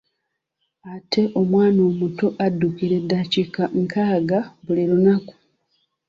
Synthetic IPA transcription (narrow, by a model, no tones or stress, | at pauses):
atʰe̞ʔo̞mwaːno̞ːmutoʔadːukiɾedːacikaŋkʰaːɡaβuliɾunaku̥